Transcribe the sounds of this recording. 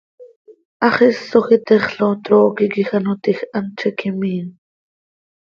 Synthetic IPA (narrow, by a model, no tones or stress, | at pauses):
ʔɑχisːoxit̪ɛχɬot̪ɾoːkikixanot̪ixʔant͡ʃʰɛkimiːn